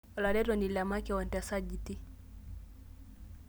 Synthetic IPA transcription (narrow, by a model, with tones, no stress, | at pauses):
ɔ˨la˨ɾɛ˦ɾɔ˨ni˨la˨ma˦kɛ˨ɔ˨n˨ta˨sa˦d͡ʒi˨ti˦